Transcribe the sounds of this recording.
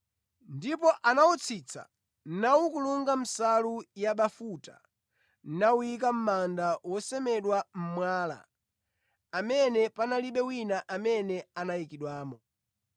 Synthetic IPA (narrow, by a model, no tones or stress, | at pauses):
ndipɔʔanawut͡sʰit͡sʰa̰ | n̩nawukuluŋɡam̩salujaɓafuta̰ | n̩naujik̬am̩mandawɔsɛmɛɗwam̩mwaːla̰ | amɛnɛpanaliɓɛwinaʔamɛnɛanajikiɗwaːmɔ